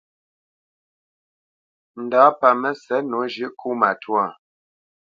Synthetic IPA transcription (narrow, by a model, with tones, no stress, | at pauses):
n̩˨daː˨˦pa˨mə˦sɛ˨˦no˨˦ʒʉ˦ʔkʰu˦ma˨tʰwa˦˨